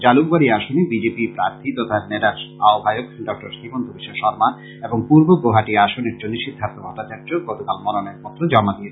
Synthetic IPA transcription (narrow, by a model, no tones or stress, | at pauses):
d͡ʑalukbaɾiaʃonibid͡ʑepipɾaɾt̪ʰit̪ɔt̪ʰaɾneʈ̪aaobʱajok̚ɖɔk̚ʈoɾʃibond̪ʱubiʃaʃɔɾma | eboŋpuɾboɡɾoɦaʈiaʃoneɾd͡ʑoniʃid̪ʱːant̪obʱɔt̪ːat͡ɕaɾdoɡɔt̪okalmɔnonaeɾpɔt̪ːɾod͡ʑɔmad̪ie